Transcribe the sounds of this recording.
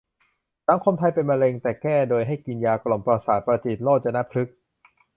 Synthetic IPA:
sa˩˦ŋkʰo˧mt̪ʰa˧jpe˧nma˧le˧ŋt̪ɛː˨˩kɛː˥˩doː˧jɦa˥˩jki˧njaː˧klo˨˩mpɾa˧saː˨˩t̪̚pɾa˧t͡ɕi˨˩t̪̚loː˥˩t̚t͡ɕa˧na˦˥pʰɾɯ˦˥k̚

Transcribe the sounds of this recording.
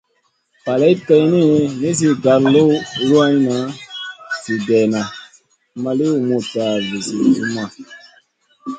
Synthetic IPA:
pa˨le˦kə˦jni˦ni˦si˦ɡa˨llo˦lu˦a˦ɲ˦na˨˦ | si˨dɛ˨na˨˦ | ma˦li˦u˨mu˨ta˨ve˨si˨ṵ˦ma˨

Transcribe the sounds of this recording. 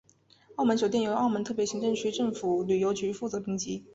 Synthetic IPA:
ɑ˥˩ʊmə˧˥nɕjt̪jɛ˥˩njo˧˥ɑ˥˩ʊmə˧˥nt̪ʰɤ˥˩pjɕi˧˥ŋʈ͡ʂɤ˥˧ŋt͡ɕʰy˥ʈ͡ʂɤ˥˩ŋfu˨˩ly˨˩jo˧˥ʊt͡ɕy˧˥fu˥˩t͡sɤ˧˥pi˥ŋt͡ɕi˧˥

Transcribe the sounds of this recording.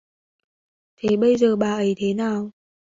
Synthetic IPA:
t̪ʰe˨˦ɓə˧jzəː˨˩ɓaː˨˩ʔə˨˦jt̪ʰe˨˦naː˨˩w

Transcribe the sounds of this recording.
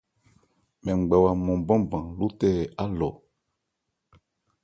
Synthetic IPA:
mɛ̃˨ŋ͡m̩˨ɡ͡bɛ˨wa˨mɔ̃˨bɔ̃˦bã˨lu˦tɛ˦˨a˦lɔ˨

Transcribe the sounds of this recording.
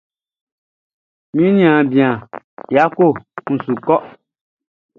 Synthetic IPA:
mĩ˦ɲĩ˦ã˨bĩ˨ã˨ | ja˨˦ko˦˨n̩˨su˨kɔ˦

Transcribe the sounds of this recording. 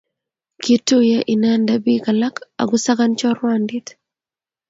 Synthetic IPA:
kitːu˦jɛ˦ʔi˨nandabi˦ka˨la˦ka̰˨ɡʊsa˦ɡant͡ʃɔ˦rwandi˦t

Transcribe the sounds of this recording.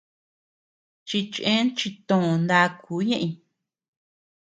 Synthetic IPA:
t͡ʃi˧t͡ʃʔẽ˦nt͡ʃi˧t̪õ˦˨˧nd̪a˧kʰuː˨˦ɲẽ˦ʔĩ˧

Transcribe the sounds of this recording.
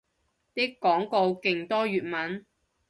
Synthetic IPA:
t̪i˥kːɔː˨˥ŋko˧wkɪ˨˩ŋt̪ɔː˥ɥyː˨t̚mɐ˨˥n

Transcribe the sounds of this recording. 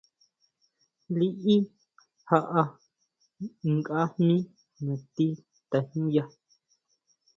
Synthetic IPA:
li˦ʔi˦ | ha˧ʔa˧ | ŋka˦hnĩ˦ | nã˨t̪i˦ | t̪a˨hũ˦ja˧

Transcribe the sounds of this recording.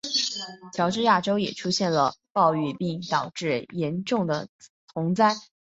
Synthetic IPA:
t͡ɕʰjɑ˧˥ʊʈ͡ʂɻ̩˥˧ja˥˩ʈ͡ʂo˥ʊjɛ˨˩ʈ͡ʂʰu˥ɕjɛ˥˩nlə˩pɑ˥˧ʊy˥˧pi˥˩ŋt̪ɑ˨˩ʊʈ͡ʂɻ̩˥˩jɛ˧˥nʈ͡ʂʊ˥˩ŋd̪ə̰˩t͡sʰʊ˧˥ŋt͡sa˥˩ɪ

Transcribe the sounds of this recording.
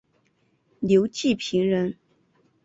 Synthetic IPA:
ljo˧˥ʊt͡ɕi˥˩pʰi˧˥ŋɻə˧˥n

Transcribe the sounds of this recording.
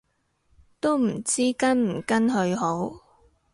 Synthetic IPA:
t̪o˥wm̩˨˩t͡siː˥kɐ˥nm̩˨˩kɐ˥nɦɵ˧ɥɦo˨˥w

